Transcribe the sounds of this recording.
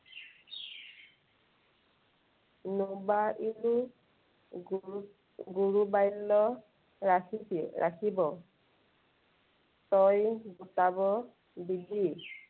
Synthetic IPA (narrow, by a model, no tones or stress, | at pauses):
nubaʔilu | ɡuɹubajlːɔ | ɹakʰitiɹʔa̰kʰibɔ | tɔjɡutabɔ | bidi